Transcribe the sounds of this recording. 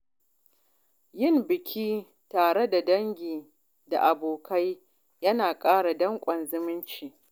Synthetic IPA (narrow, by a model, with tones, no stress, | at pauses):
jɪ˦˨mbɪ˨kʲʰiː˦ | taː˨ɽe˦da˨dɐ˦ŋɡʲiː˨ | da̰˨ʔa˨boː˨kʰa˦j | jɐ˦naː˨kʼaː˦ɽa˨dɐ˦ŋkʷʼɐ˨nzɪ˦mɪ˦nt͡ʃiː˨